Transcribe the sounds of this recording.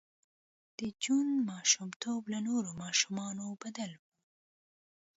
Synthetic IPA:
d̪̥əd͡ʒunmɑʃumt̪ʰoblanoɾomɑʃumɑnobad̪alwu

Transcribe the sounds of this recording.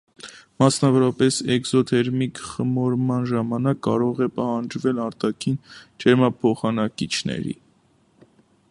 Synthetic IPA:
mɑsnɑvɔɾɑpɛsɛɡz̥ɔt̪ʰɛɾmikχəmɔɾmɑnʒɑmɑnɑkːɑɾɔʁɛpɑhɑnd͡ʒvɛlɑɾt̪ɑkʰind͡ʒʰɛɾmɑpʰɔχɑnɑkit͡ʃʰnɛ̰ɾḭ

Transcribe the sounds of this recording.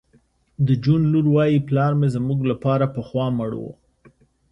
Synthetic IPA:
d̪əd͡ʒunluɾwɑjiplɑɾmezmuɡlapɑɾapəxwɑməɽwo̰

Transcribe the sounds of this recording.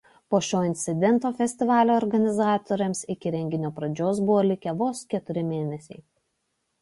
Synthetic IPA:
poːʃʲoːɪnʲt̪sʲɪd̪ʲɛnˑt̪oːfʲɛsʲt̪ʲɪʋɑːlʲoːɔɾɡɐnʲɪzɑːt̪oːɾʲɛmsɪkʲɪɾʲɛŋʲɡʲɪnʲoːpɾɐd͡ʒʲoːsbʊʋoːlʲɪkʲɛʋoːskʲɛt̪ʊɾʲɪmʲeːnʲɛsʲɛɪ

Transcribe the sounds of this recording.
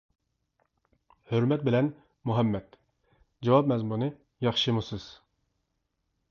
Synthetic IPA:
høɾmɛt̪̚bɪlɛn | muɦɛmːɛt̪ | d͡ʒɑwɑp̚mɛzmunɨ | jɑχʃɨmusɨz̥

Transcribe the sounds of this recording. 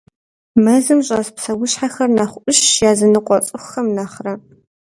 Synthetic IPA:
mɐzɨmɕʼɐspsɐwʊɕħaxɐrnaχʷʔʊɕjaːzɐnɨqʷʼɔt͡sʼɨxxɐmnaχrɐ

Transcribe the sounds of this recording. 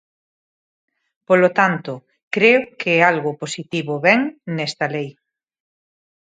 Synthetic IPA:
polot̪ant̪ʊ | kɾeʊkeɛalɣʊposit̪iβʊβɛŋnɛst̪ɐlej

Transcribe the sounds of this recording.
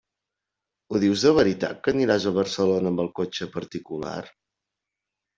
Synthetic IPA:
uðiwzðəβəɾit̪a̰t̪̚kəniɾazəβ̞əɾsəlonəmbəlˠkot͡ʃəpəɾt̪ikula̰r

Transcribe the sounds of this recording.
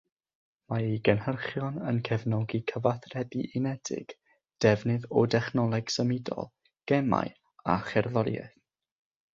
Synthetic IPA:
maiɡənhərχjɔnənkʰɛvnɔɡikʰəvaθrɛbiʔinɛdɪ̰ɡ̥ | d̥ɛvnɨðɔdɛχnɔlˠɛɡ̥səmɪdɔ̰lˠ | ɡ̥ɛma̰j | a̰χɛrðɔɾjɛ̰θ

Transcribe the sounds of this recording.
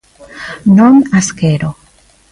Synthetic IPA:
nonaskeɾo

